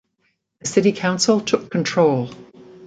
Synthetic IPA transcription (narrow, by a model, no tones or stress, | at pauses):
ðəsɪɾikʰãʊ̃nsəlˠtʰʊkʰːə̃ntʰɹ̥oʊlˠ